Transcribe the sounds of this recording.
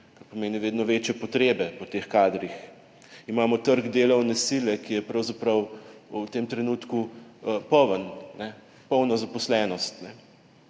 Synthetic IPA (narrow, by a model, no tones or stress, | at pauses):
kaɾpɔmeːniʋeːd̪nɔʋeːt͡ʃjɛpɔt̪ɾeːbɛpɔt̪exkaːd̪ɾix | imaːmɔt̪əɾɡd̪eːlɐwnɛsilɛkijɛpɾɐwzapɾɐwut̪emt̪ɾɛnuːt̪kupɔwənnɛ | pɔwnɔzapɔslɛnɔst̪nɛ